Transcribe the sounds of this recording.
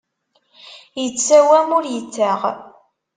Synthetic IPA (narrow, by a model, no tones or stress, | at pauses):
jət͡sːæwæmʊɾjət͡sːaʁ